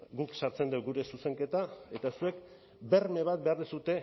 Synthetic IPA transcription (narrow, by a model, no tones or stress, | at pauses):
ɡuksaɾt͡se̞nd̪ewɡuɾe̞suse̞ŋke̞t̪ae̞t̪asue̞k | be̞rme̞β̞at̪̚be̞aɾðisut̪e̞